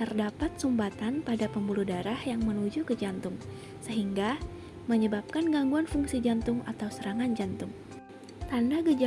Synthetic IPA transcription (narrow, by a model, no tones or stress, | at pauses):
t̪ərdapat̪̚sumbat̪anpadapəmbuludaɾahjaŋmənud͡ʒukəd͡ʒant̪ʊŋ | səɦiŋɡa | məɲəbap̚kanɡaŋɡuanfuŋsid͡ʒant̪ʊŋat̪awsəɾaŋand͡ʒant̪ʊŋ | t̪andaɡəd͡ʒ